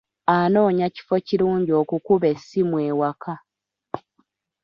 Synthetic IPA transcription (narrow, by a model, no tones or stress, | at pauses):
ano̞ːɲaci̥fo̞ciɾuːɲɟio̞ːkukuβe̞sːimwe̞ːwakʰa